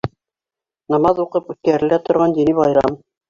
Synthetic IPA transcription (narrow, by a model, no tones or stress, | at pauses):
nɑmɑðuqɤpʉt̪̚kæɾɘ̆læt̪ŏɾʁɑnd̪iniβɑjɾɑm